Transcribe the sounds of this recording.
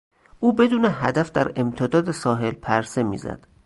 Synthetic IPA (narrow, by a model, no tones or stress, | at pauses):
ʔuːbe̞d̪uːneɦæd̪æfd̪æɾe̞mt̪ʰed̪ɒːd̪esɒːɦe̞lpʰæɾse̞mḭːzæ̰d̪̥